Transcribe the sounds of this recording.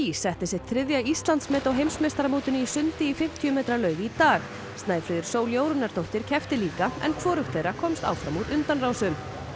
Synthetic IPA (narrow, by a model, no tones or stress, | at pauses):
isɛht̪ɪsɛt̪ʰːɾɪðjaist̪lant̪smɛːt̪awɦejmsmɛst̪aɾamoːt̪ɪnisʏnt̪ɪifɪm̥t̪ʰiʏmeːt̪ɾalœːɥvɪit̪aːɣ | st̪naːjfɾʏːðɪɾ̥soːwljoːwɾʏnaɾ̥t̪owht̪ɪɾ̥cʰɛft̪ɪliːkaɛ̰nkʰvɔːɾʏxt̪θejɾakʰɔmst̪a̰wfɾamuɾʏnt̪anraːwsʏm